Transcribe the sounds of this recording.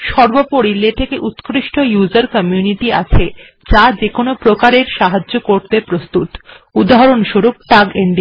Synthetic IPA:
ʃɔɾbopoɽilet̪ʰekeʔut̪kɾiʃʈojuzaɾkɔmijuniʈia̰t͡ɕʰe | d͡ʑad͡ʑekonopɾokaɾeɾʃaɦad͡ʑːokoɾt̪epɾost̪ut̪ | ud̪aɦaɾonʃoɾup̚ʈaɡeɳɖi

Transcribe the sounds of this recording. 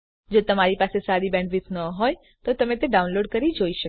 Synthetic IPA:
d͡ʒot̪əmaɾipasesaɾibɛ̃ɳɖʋɪsnəɦoj | t̪ot̪əmẽt̪eɖaũnloɖkəɾid͡ʒoiʃək

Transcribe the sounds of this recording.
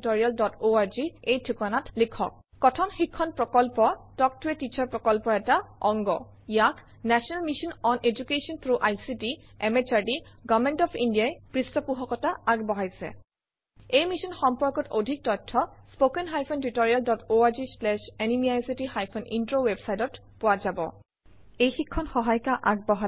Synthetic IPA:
tɔɹialdɔtʰoaɹziejtʰikanatlikʰɔ̰k̚ːɔtʰɔnxikʰːɔnpɹɔkɔlpɔtɔk̚tʊɛtit͡ʃʰɔɹpɹɔkɔlpɔɛtaɔŋɡɔ | ijakʰ | nɛsɔnalmisɔnɔned͡ʒukesɔnt̪ʰɹuʔajsitiɛmet͡ʃaɹdiɡamɛntɔpʰindijajpɹistɔpuɦɔkɔtaaɡbɔɦajsɛ̰ | ejmisɔnxɔmpɔɹkɔtodʱik̚tɔtʰːɔspokɛnɦajpʰɔntitɔɹialdɔtoaɹd͡ʒislɛʃɛnimiajsitixajpʰɔnḭntɹowebsajtɔt | pʊwazabɔ̰ | ejxikʰːɔnxɔɦajkaʔaɡ̚bɔɦa

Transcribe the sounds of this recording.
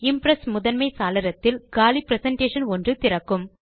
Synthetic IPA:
ɪmpɾɐsmʊðɐnmɐɪsaːlɐɾɐt̪ːɪlɡaːlipɾɛsɐɳʈeːʂɐnɔndrɯt̪ɪɾɐkːɯm

